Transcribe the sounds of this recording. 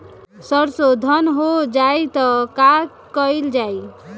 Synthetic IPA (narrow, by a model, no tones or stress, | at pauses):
sʌɾsod̪ʱənɦod͡ʒajt̪ʌka | kʌild͡ʒaj